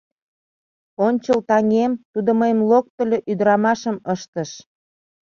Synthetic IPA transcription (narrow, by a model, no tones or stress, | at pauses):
onʲt͡ɕəlt̪ɑŋemt̪ud̪oməjəmlok̚t̪ə̆lʲøʔyd̪əɾɑmɑʃəməʃt̪ə̆ʃ